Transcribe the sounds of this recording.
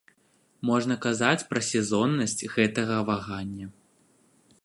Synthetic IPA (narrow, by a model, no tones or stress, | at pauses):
mɔʐnɐkazat͡sʲpɾɐsʲɛzɔnːɐsʲt͡sʲɣɛt̪ɐɣɐvaɣanʲːɐ